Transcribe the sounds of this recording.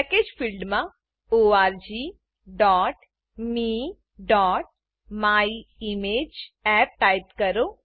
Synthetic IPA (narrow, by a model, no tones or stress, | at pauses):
pɛkeːd͡ʒpʰilɖmã | oːaːɾd͡ʒiː | ɖɔːʈ | mi | ɖɔːʈ̚ | maːiimeːd͡ʒɛːp̚ʈaːjɪt̪kəɾoː